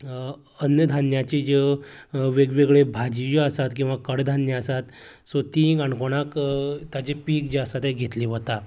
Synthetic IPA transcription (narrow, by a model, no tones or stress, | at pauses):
ənjəd̪ʱanjat͡ɕid͡ʑe | ʋeɡʋeɡɭebʱad͡ʑijəsat̪kĩw̃ʋakəɽd̪ʱanjəəsat̪ | sot̪iɡaɳkoɽ̃akt̪jat͡ɕepiːkd͡ʑeəsat̪ẽɡʱet̪liʋət̪a